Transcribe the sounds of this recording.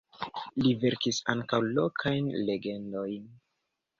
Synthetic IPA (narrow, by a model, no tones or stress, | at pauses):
live̞ɾkisaŋkawlo̞kʰajnle̞ɡe̞ndo̞jn